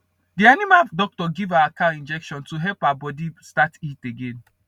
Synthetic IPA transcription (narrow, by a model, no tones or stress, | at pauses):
dianimadɔk̚tɔɡivaʊakaĩnd͡ʒɛkʃɔ̃ntuɦɛlpaabɔdistatiteɡẽn